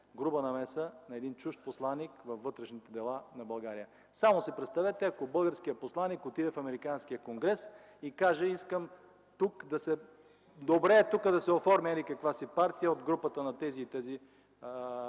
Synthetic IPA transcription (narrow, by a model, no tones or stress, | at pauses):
ɡɾubənɐmɛsənɐɛd̪int͡ʃuʃt̪̚poslˠanːikvɐfːɤt̪ɾɛʃnit̪ɛd̪ɛlˠanɐbɐlˠɡaɾijə | samosɛpɾɛt̪st̪ɐvɛt̪ɛɐkobɤlˠɡəɾskijəposlˠanːikot̪id̪ɛfɐmɛɾikanskijəkoŋɡɾɛs | ikaʒəiskəm | t̪ukd̪ɐsɛ | d̪obɾɛːt̪ukəd̪ɐsɛofɔɾmɛɾikɐkvasipaɾt̪ijəod̪ɡɾupət̪ənɐt̪ɛziːt̪ɛzi